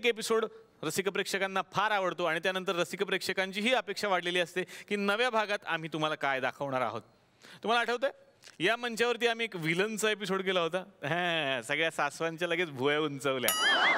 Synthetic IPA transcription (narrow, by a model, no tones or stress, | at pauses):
ekepisoɽ | ɾəsikəpɾekʂəkanːapʰaɾaʋəɽt̪oaɽ̃it̪janənt̪əɾːəsikəpɾekʂəkaɲt͡ɕiːɦiːəpekʂaʋaɽ̤leliːəst̪ekiːnəʋjabʱaɡat̪a̰m̤iːt̪um̤alakajd̪akʰəʋɳaɾa̰ɦo̰t̪ | t̪ːum̤alaːʈʰəʋt̪a | jamənt͡ɕjaʋəɾt̪iːam̤iːekʋilənsəep̬isoɽk̬elaɦot̪aɦɛ̃səɡɭjasasʋaɲt͡ɕjaləɡet͡sbʱujəunt͡səʋlja̰